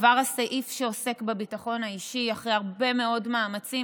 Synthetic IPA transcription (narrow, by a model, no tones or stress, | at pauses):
vaʁhasaʔifʃeose̞kbebitaχo̞naiʃiaχʁeaʁbe̞me̞o̞dmaːmat͡si